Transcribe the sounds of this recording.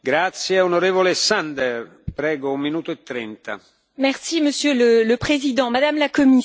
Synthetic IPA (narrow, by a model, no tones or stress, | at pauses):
ɡɾat̪sjeonoɾeːvolesand̪ɛr | pɾɛːɡoumːinuːt̪oet̪ːɾɛnt̪a̰ | mɛʁsiməsjølələpχezid̪ɑ̃mad̪amlakɔmi